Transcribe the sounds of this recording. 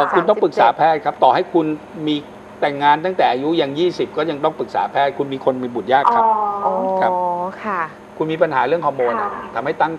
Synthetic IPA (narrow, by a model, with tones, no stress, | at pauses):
kʰu˧nt̪ɔ˥˩pɯ˨˩k̚saː˩˦pʰɛː˥˩t̪̚kʰa˦˥p̚t̪ɔː˨˩ɦa˥˩jkʰu˧n | miː˧ | t̪ɛ˨˩ŋːaː˧nt̪a˥˩t̪ɛː˨˩ʔaː˧ju˦˥ja˧ŋjiː˥˩si˨˩p̚kɔː˥˩ja˧ŋt̪ɔ˥˩ŋpɯ˨˩k̚sa̰ː˩˦pʰɛː˥˩t̪̚kʰu˧nmiː˧kʰo˧nmiː˧bu˨˩jaː˥˩kʰːa˦˧kʰa˦˥pkʰa˥˩ | kʰu˧nmiː˧pa˧nhaː˩˦ɾɯ˥˩əŋhɔː˧moː˧nʔa˨˩t̪ʰa˧mha˥˩jt̪a˥˩ŋ